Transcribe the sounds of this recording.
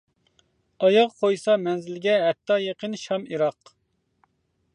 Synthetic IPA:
ɑjɑʁqʰojsɑmɛnzɪlɡʲɛɦɛt̪ʰːɑːjeqənʃɑmiɾɑq

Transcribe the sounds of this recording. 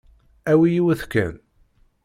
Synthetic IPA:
æwijiwəθkæ̰n

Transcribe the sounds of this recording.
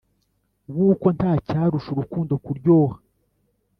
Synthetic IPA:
wuːko̞ntaːcaːɾuʃuɾukuːndokuɾɟoːha

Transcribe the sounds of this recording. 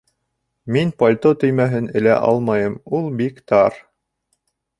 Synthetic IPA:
minpolʲt̪ot̪ɵ̆jmæɦɘnɘ̆læ̰ʔɑ̰lˠmɑjɤmulˠbikt̪ɑɾ

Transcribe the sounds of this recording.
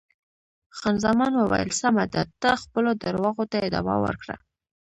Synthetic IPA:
xɑnzɑmɑnwabɑ̰jɪ̰lsamad̪at̪ːaxpəlod̪aɾwɑɣot̪aɪd̪ɑ̰ma̰wə̰ɾkɽa̰

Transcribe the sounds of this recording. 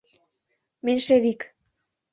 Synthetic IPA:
menʲʃeβik

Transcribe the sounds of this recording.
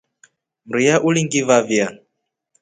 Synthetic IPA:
m̩ɾijaʔuliŋɡivavja

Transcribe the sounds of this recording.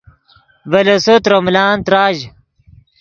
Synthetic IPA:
vɐlɐsot̪ɾɐmlaːnt̪ɾaːʑ

